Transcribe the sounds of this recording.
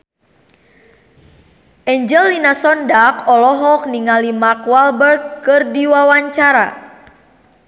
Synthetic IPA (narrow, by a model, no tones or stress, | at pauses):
ʔɛɲd͡ʒəlːinasɔndakɔlɔɦɔk̚niŋalimarkwalbərɡkɨrdiwawaɲt͡ʃaɾa̰